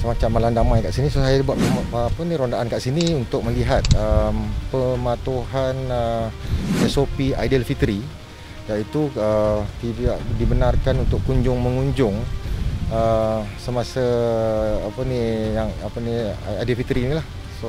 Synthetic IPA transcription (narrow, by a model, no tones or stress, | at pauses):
səmat͡ʃamːalandamãjkaʔsinisosajaləbat̪ːpənĩɾondaʔankaʔsiniunt̪ʊk̚məliɦat̪̚əmpəmãt̪uɦanə | məsopiadəlfit̪əɾi | jait̪uət̪idaʔdibənarkanunt̪ʊkkuɲd͡ʒʊŋməŋuɲd͡ʒʊŋ | əsəmasa | apənijaŋapəniadəlfit̪ɾinĩlah | so